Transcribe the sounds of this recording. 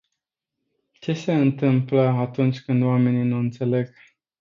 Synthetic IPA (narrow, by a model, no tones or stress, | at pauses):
t͡ʃe̞se̞ɨnt̪ɨmpləat̪unt͡ʃʲkɨnd̪wame̞ninuɨnt̪se̞le̞ɡ̥